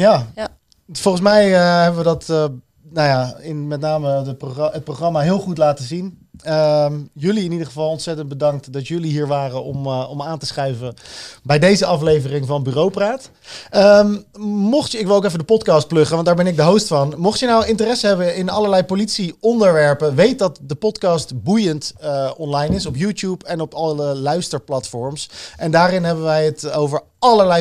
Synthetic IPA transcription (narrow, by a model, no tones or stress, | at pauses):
jaː | fɔlˠχənsmɛjəɦɛbəʋədɑt | najaːɪnmɛtnaːməəpoɦət̚proχrɑmaːɦɪːlˠχutlaːtəzinəjɵliɪnidəχəvɑlˠɔnsɛtənd̚bədɑŋk̚tdɑtjɵliɦiːɹʋaːrəɔmɔmaːntəsχɛɥvəbɛjdejzəɑflejvərɪŋvɑnəbyːrowpraːt | ə | mɔχtɪkʋɪlˠokɛf̬ədəpɔtkɑːst̚plɵχəʋɑntdaːɹbɛnɪɡ̚dəɦowstfɑnmɔχtjənawɪntərɛsəɦɛbəɪnɑləɹlɛjpolitsiɔndəɹʋɛɹpəʋejt̚dɑtdəpɔtkɑːstbujəntɔnlɑjnɪsɔpjuːtjupɛnɔpɑəlœɥstəɹplɑtfɔɹmsʔɛndaːrɪnɦɛbəʋɛjɦətowvəɹ | ɑləɹlɛj